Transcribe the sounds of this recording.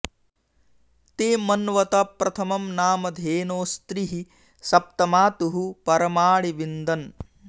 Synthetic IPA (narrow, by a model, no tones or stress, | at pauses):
t̪eːmɐnʋɐt̪apɾɐt̪ʰɐmɐmnaːmɐd̪ʱeːnoːst̪ɾiɦi | sɐp̚t̪ɐmaːt̪uɦupɐɾɐmaːɭiʋind̪ɐn